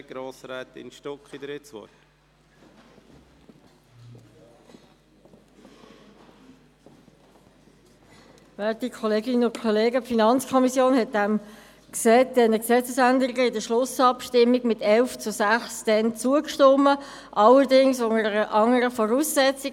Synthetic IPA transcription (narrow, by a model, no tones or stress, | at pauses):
ɡ̥ɾoːsɾɛːt̪ɪ̰nʃtokχid̥̪ɾɪt͡sṵək | vɛːtikʰɔleːɡɪnənʊnkʰɔleːɡəpfinɑnt͡skʰɔmisjoːnhɛt̚dɛm | kseːt̚d̥ɛnəksɛt͡səsænd̪əɾɪɡəɪdəʃlʊsɑpʃtɪmːiɡmɪtɛlft͡sʊsæχsd̥ɛnt͡suəkʃtɔmːə | ʔɑləɾdɪŋsʊŋəəɾəʔɑŋəɾəfɔʁuːsːɛt͡si